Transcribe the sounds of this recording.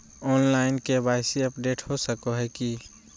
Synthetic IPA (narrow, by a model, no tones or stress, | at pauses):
ɔːnlaːɪnkebaːɪsiɐpɖeːʈhosəkoɦɛki